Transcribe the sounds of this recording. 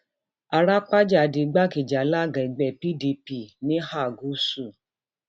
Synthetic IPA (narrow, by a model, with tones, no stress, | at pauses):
a˧ɾa˦k͡pa˦d͡ʒa˦˨˧di˨˧˦ɡ͡ba˦˨ki˨d͡ʒa˨˦la˦˨ɡã˨i˨ɡ͡bɛ˨pi˦di˧pi˦˨nĩ˦ha˦˨ɡu˨˦su˦˨